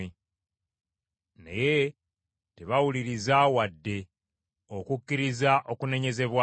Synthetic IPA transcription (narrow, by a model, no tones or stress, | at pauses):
nḛje̞ | teβawuliɾizawadːe̞ | okukːiɾizaʔokune̞ɲe̞ze̞βwa